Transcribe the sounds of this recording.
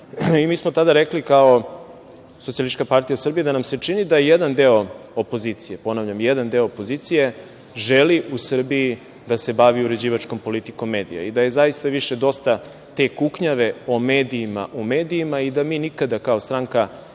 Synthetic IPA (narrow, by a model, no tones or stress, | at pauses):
imiːsmo̞t̪ad̪aɾeklikao | sot̪sialiʃt͡ʃkapaɾt̪ijasr̩bijed̪anamse̞t͡ʂinid̪ajed̪and̪eo̞opo̞zit̪sijepo̞naʋʎamjed̪and̪e̞oopo̞zit̪sije̞ | ʒeliʔusr̩bii | d̪ase̞baʋiuɾe̞d͡ʑiːʋat͡ʃko̞mpo̞lit̪iko̞mːe̞ːd̪ḭja̰id̪aje̞zajist̪aʋiʃed̪o̞st̪a | t̪e̞kukɲaʋe̞o̞meːd̪iːma̰ʔume̞ːd̪iːmaid̪amiːnikad̪akao̞st̪ɾaŋka